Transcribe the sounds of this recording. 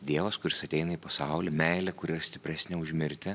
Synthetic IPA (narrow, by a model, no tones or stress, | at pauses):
d̪ʲiɛʋɐskʊɾʲɪsɐt̪ʲɛɪnɐiːpɐsɑʊlʲɪmʲɛɪlʲɛkʊɾʲɪɾɐsʲt̪ʲɪpʲɾʲæsʲnʲɛʊʒʲmʲɪɾʲt̪ʲɛ